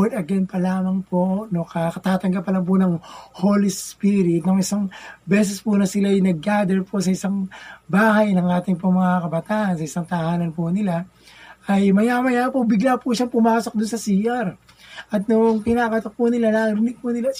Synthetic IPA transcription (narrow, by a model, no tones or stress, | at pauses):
ɛd̪ɐɡɛnpɐlaːmɐŋponokɐkɐt̪aːt̪ɐŋɡɐpːɐlɐŋp̬ʊnɐŋhoːlispiɾɪt̪̚noŋɪsaŋbɛːsɛspʊnɐsɪlajnɐɡ̚ːaːd̪ɛɹpʰosɐʔɪsaŋbaːɦɐjnɐŋʔaːt̪ɪŋp̬oŋmɐŋakɐbɐt̪aːʔɐnsɐʔɪsaŋt̪ɐhaːnɐnpʊnɪla | ʔɐjmɐjaːmɐjaːmpʊbɪɡlapuʃaŋpʊmaːso̞k̚d̪ʊnsɐsiːʔɐɾ | ʔɐt̪̚noŋpɪnaːkɐt̪ok̚pʊnɪlanaːɾɪnɪɡ̚pʊnɪla